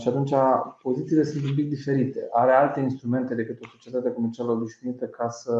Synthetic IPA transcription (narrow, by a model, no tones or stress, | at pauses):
ʃiat̪unt͡ʃapo̞zit̪siːle̞sunt̪̬ump̬ik̚d̪ife̞ɾit̪e̞ʔaɾe̞alt̪e̞inst̪ɾume̞nt̪e̞d̪e̞kɨt̪o̞so̞t͡ʃiet̪at̪eko̞me̞rt͡ʃialəo̞biʃnuit̪əkʰasə